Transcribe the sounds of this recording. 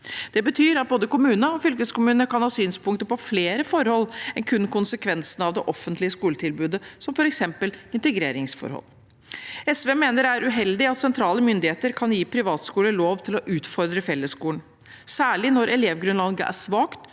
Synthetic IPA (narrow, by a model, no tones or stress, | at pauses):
d̪̥ɛbət̪ʰyːɾɑt̪̚boːd̪əkʊmʉːnəɔfʏlkəskʊmʉːnəkɑnhɑːsyːnspʊŋkt̪əɾpɔfleːɾəfɔɾhɔlːɛnkʰʉnːkʊnsəkʰʋɛnsənɑʋd̪ɛʔɔfənt̪lɪəskuːlət̪ʰɪlbʉːd̪əsɔmfɔɾɛksɛmpəlɪnt̪ɛɡɾeːɾɪŋsfɔ̰ɾhɔ̰lː | ɛsʋeːmeːnəɾæɾʉɦɛld̪ɪɑt̪sɛnt̪ʰɾɑːləmʏnd̪ɪheːt̪əɾkʰɑnjiːpʰɾɪʋɑːt̪skuːləloːʋt̪ʰɪlɔʔʉːt̪fɔɾd̪ɾəfɛlːəskuːəɳ | sæːɭɪnɔɾʔɛleːʋɡɾʉnlɑːɡəʔæ̰ʂʋɑːkt̪